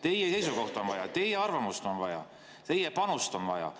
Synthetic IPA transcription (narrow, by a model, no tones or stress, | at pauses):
t̪e̞jese̞jsuko̞ht̪o̞nvɑjɑ̰t̪e̞jeɑrvɑmust̪o̞nvɑjɑ̰ | t̪e̞jepɑnust̪o̞nvɑjɑ̰